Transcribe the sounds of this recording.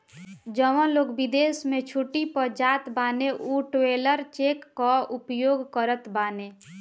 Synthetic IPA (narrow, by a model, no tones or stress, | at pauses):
d͡ʒəʋə̃loːkbɪd̪eːsmẽt͡ʃʰuʈipəɾd͡ʒaːt̪baːneʔuʈeːləɾt͡ʃeːkːaʊpjoːɡkəɾət̪baːne